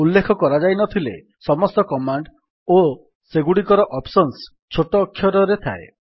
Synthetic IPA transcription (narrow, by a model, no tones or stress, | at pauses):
ulːekʰɔkɔɾad͡ʒajnɔt̪ʰilḛ | sɔmɔst̪ɔkɔmaɳɖ | o | seɡuɽikɔɾɔʔɔpsɔns | t͡ʃʰoʈɔːkʰːjɔɾɔɾet̪ʰa̰e